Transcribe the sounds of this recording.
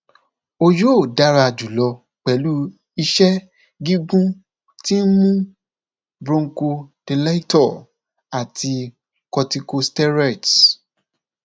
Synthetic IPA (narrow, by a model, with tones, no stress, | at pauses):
o˧jo˦˨da˨˦ɾa˧d͡ʒu˨lɔ˧ | k͡pɛ˨lu˦ | i˧ʃɛ˦ | ɡi˦ɡũ˦ | ti˦n̩˦mũ˦ | bɾũ˧ŋ̩˦ko˧d̥e˧la˦i˦tɔ˦˨ | a˨tʰi˧ | kɔ˧ti˧ko˧stɛ˦ɾɛ˦˨t